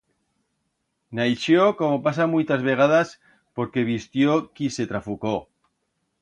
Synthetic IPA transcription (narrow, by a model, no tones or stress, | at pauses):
najʃjokomopas̬amujt̪azβe̞ɣ̞að̞as | po̞ɾke̞β̞ist̪jokise̞t̪ɾafuko